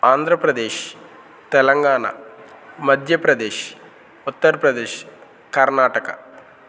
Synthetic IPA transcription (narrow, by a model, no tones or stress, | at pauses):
aːnd̪ʱɾɐpɾɐd̪eːʃ | t̪ɛlɐŋɡaːɳɐ̰mɐd̪ʱjɐpɾɐd̪eːʃ | ut̪ːɐɾɐpɾɐd̪eːʃ | kɐɾnaːʈɐkɐ̰